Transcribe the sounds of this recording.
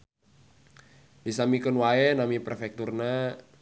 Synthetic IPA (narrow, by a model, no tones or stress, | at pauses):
disamikənwaɛnamiprefɛk̚t̪urna